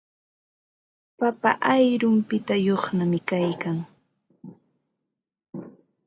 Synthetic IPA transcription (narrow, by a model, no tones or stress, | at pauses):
papa̰ʔajɾʊmpɪt̪ajoχnamɪkajkaŋ